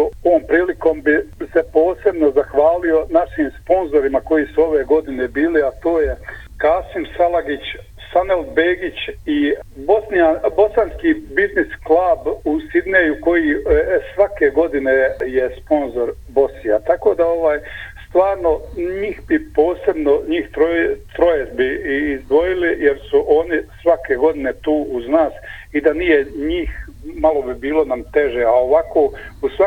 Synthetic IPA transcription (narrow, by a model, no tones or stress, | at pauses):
oʋoːmpɾiːliko̞ːmbisepo̞ːse̞bno̞zaxʋaːlio̞naʃiːmspo̞nzo̞ɾimako̞jisuo̞ʋe̞ːɡo̞d̪ine̞biːliat̪o̞ːje | kaːsimsalaɡit͡ɕ | sanelbeːɡit͡ɕibo̞snijabo̞sanskiːbiznisklˠabusid̪nejuko̞jisʋake̞ɡo̞d̪inejespo̞nzo̞ɾ | bo̞snijat̪ako̞ːd̪ao̞ʋaːjst̪ʋaːɾnoɲiːxbipo̞ːse̞bno̞ɲiːxt̪ɾt̪ɾojezbiːzd̪ʋo̞jilijeɾsuʔo̞ːnisʋakeɡo̞d̪ine̞t̪uːʔuznaːsid̪anijeɲiːx | malo̞bibiːlo̞namt̪e̞ʒeaoʋakoːusʋa